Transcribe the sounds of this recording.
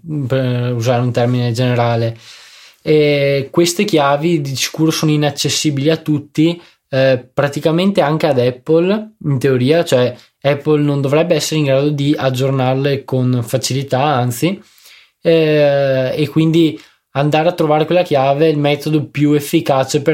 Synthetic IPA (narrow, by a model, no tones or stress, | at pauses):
peuzaːɾeunt̪ɛrmined͡ʒeneɾaːle | ɛkwest̪ekjaːvid̪isi̥kuːɾosoːnoinat͡ʃːesːiːbiliat̪ːut̪ːi | pɾat̪ikament̪eaŋk̟ead̪ɛpːolint̪eoɾiːat͡ʃoɛ | ɛpːolnond̪ovɾɛbːeɛsːeɾeiŋɡɾaːd̪od̪iad͡ʒːornarlekonfat͡ʃilit̪aant̪si | ekːwind̪i | and̪aːɾeat̪ːɾovaːɾekwelːakjaːveilmɛt̪od̪opjuefːikaːt͡ʃepe